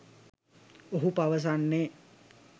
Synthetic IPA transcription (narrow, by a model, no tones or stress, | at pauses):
oɦupaʋəs̬anːe